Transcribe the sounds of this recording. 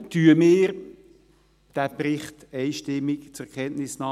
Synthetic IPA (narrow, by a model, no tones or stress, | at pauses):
tyəmɪːɾ | d̥æpɾɪχtɛɪʃtɪmːɪkt͡sʊkʰɛntnɪsnɑː